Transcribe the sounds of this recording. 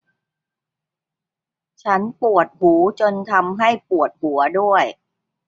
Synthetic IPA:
t͡ɕʰa˦˥npu˨˩ət̪̚huː˩˦t͡ɕo˧nt̪ʰa˧mɦa˥˩jpu˨˩ət̪̚hu˩˦ɐdu˥˩əj

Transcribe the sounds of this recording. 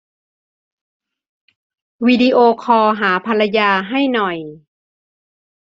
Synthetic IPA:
wiː˧di˧ʔoː˧kʰɔː˧ɦaː˩˦pʰa˧la˧jaː˧ɦa˥˩jnɔ˨˩j

